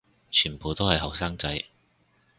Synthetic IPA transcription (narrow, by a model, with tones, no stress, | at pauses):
t͡ʃʰyː˨˩npʰoː˨˧t̪o˥whɐ˨jɦɔː˨˩k̚saː˥ŋt͡sɐ˧j